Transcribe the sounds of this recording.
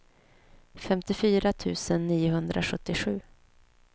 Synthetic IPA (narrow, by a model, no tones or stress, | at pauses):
fɛmt̪ɪfyːɾat̪ʰʉ̟ːsənːiːʊɦɵnd̪ɾʔa̰ɧɵt̪ːɪɧʉ̟ː